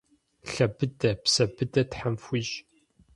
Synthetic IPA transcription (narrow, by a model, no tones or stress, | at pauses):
ɬɐbɨdɐpsɐbɨdɐtħamfʷiʒ